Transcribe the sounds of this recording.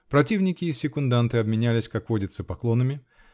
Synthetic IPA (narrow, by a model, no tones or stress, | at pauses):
pɾɐtʲivnʲɪkʲɪːsʲːɪkʊnd̪ant̪ɨɐbmʲɪnʲælʲɪsʲkakvo̞dʲɪt̪səpɐklˠo̞nɨmʲɪ